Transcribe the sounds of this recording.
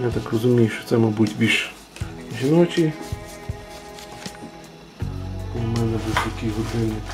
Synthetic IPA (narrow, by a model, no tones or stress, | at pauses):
jat̪akrɔzʊmʲijʊʃt͡ʃɔ̥t̪sɛmɐbutʲbʲiʃ | ʒʲinɔt͡ʃʲi | mɛnɛbɪsʲɔkʲijɦɔd̪ɪnɪ